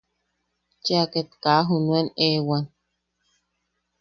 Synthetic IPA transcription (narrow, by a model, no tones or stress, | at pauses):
t͡ʃeaket̪kaɦunuenewan